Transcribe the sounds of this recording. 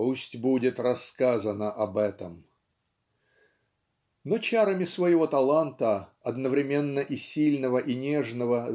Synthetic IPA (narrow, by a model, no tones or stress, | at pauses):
usʲtʲbudʲɪt̪rɐskazənəʔɐbɛt̪əm | not͡ɕaɾəmʲɪsvəjɪvo̞t̪ɐlˠant̪əɐd̪nəvɾʲɪmʲenːəʔisʲilʲnəvəʔinʲeʐnəvə